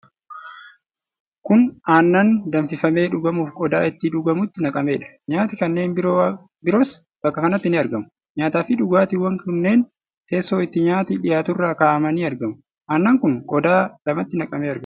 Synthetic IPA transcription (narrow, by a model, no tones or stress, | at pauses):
kʊnaːnːɐnd̪ɐnfɪfɐme̞ːᶑʊɡɐmuːfkʼɔd̪aːɪt̪ːɪᶑʊɡɐmʊt̪ːɪnɐkʼɐme̞ːᶑɐ̥ | ɲaːt̪ɪkɐnːe̞ːn | bɪɾoːs | b̥ɐkːɐkɐnɐt̪ːɪnɪɐɾɡɐmʊ | ɲaːt̪aːfɪᶑʊɡaːt̪ɪwɐŋkʊnːe̞ːn | t̪eːsːoːɪt̪ːɪɲaːt̪iᶑɪjaːt̪ʊrːaːkaːʔɐmɐniːɐɾɡɐmʊ | ʔaːnːɐːŋkʊŋkʼɔd̪aːlɐmɐt̪ːɪnɐkʼɐmeːɐɾɡɐ